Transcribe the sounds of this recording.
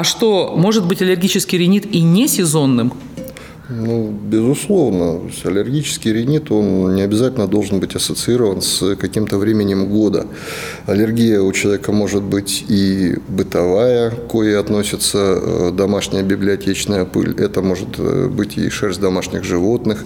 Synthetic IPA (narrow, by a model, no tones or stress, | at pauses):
ɐʂt̪o̞mo̞ʐɨt̪̚bɨtʲɐlʲɪrɡʲit͡ɕɪskʲɪjɾʲɪnʲit̪inʲesʲɪzo̞nːɨm | nubʲɪzʊslˠo̞vnət̪o̰sʲɐlʲɪrɡʲit͡ɕɪ̥skʲɪjɾʲɪnʲit̪o̞nnʲɪɐbʲɪzatʲɪlʲnəd̪o̞lˠʐɨnbɨtʲɐsət̪sɨiɾəvənskɐkʲimt̪əvɾʲemʲɪnʲɪmɡod̪ə̰ | ɐlʲɪrɡʲijəʊt͡ɕɪlˠɐvʲekəmo̞ʐɨt̪̚bɨtʲibɨt̪ɐvajəko̞jɐt̪no̞sʲɪt̪səd̪ɐmaʂnʲɪjəbʲɪblʲɪɐtʲet͡ɕnəjəpɨ̰lʲɛt̪əmo̞ʐɨt̪bɨtʲɪ̰ʂɛrzʲd̪ɐmaʂnʲɪxʐɨvo̞t̪nɨx